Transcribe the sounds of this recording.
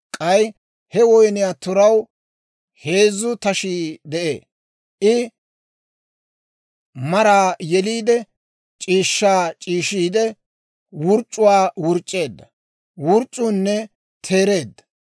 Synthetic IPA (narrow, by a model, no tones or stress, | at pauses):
kʼɐj | hɛwɔjnɪjaːt̪ʊɾɐw | he̞ːzːʊt̪ɐʃiːd̪ɛʔḛː | ʔɪ | mɐɾaːjɛliːd̪ɛ | t͡ʃʼiːʃːaːt͡ʃʼiːʃiːd̪ɛ | wʊɾt͡ʃʼːʊwaːwʊɾt͡ʃʼːe̞ːd̪ːɐ | wʊɾt͡ʃʼːʊnːɛ | t̪ʰe̞ːɾe̞ːd̪ːɐ̥